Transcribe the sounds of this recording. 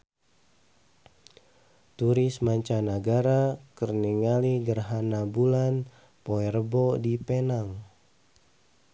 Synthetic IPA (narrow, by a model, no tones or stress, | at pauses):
t̪uɾɪsmaɲt͡ʃanaɡaɾakərniŋaliɡərɦanabulan | poɛrəbɔdipenaŋ